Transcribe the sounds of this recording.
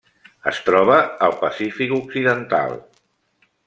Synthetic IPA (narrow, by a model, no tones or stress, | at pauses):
əst̪ɾɔβ̞əːlˠpəsifikuksiðənt̪a̰lˠ